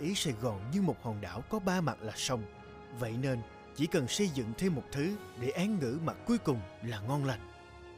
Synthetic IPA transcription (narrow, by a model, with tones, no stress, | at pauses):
ʔi˨˦saː˧˩jɣɔ˨˩nɲɨ˧ŋmo˨˩t̚hɔ˨˩nɗa̰ː˧˩˨wkɔ˨˦ɓaː˧ma˨˩t̚laː˨˩sə˧wŋ͡m | və̰˧˨jne˧n | t͡ɕḭ˧˩kə˨˩nsə˧jzɨ̰˧˨ŋt̪ʰe˧mːo˨˩t̚t̪ʰɨ˨˦ | ɗe˧˩ʔaː˨˦nŋɨ̰˧˥ma˨˩t̚ku˨˦jkʊ˨˩ŋ͡mlaː˨˩ŋɔ˧nla˨˩jŋ̟